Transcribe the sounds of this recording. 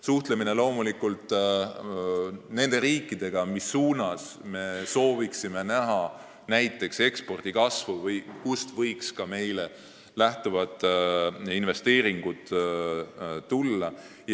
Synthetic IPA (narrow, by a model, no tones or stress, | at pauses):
suht̪le̞mine̞lo̞ːmulikːˑult̪ˑ | ne̞nd̪̥e̞ɾiːkːˑid̪̥e̞ɡ̥ɑmisːuːnɑsme̞so̞ːviksime̞næɦɑ | næjt̪ˑːe̞kse̞kspo̞rd̪̥ikɑsvuvɤjkust̪vɤjkskɑme̞jle̞ | læht̪uvɑt̪ːˑ | inve̞st̪e̞ːɾiŋɡ̥ut̪ | t̪ulːɑ | j